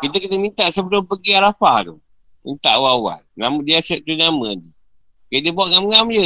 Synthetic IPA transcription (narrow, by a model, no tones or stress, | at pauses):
kit̪̬əkit̪əmint̪aʔsəbəlʊmpəɡiaɾafaht̪o | mḭnt̪a̰ʔwawa̰nnamdiasɛʔt̪unamə̃di | ked̪əbawaʔŋamŋamd͡ʒə